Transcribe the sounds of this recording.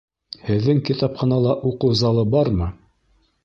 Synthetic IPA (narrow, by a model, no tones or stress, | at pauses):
hɘ̆ðːɘŋkit̪ɑpχɑnɑlˠɑʔuqɤwzɑlˠɤbɑɾmɤ